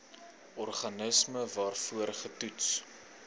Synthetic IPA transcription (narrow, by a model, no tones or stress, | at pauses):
ʔɔrχɐnəsməvɑːrfuərχətuts